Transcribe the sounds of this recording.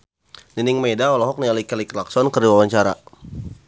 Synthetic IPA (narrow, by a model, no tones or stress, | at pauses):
niniŋmedaɔlɔɦɔk̚nialikɛliklaksɔnkərdiwawaɲt͡ʃaɾa̰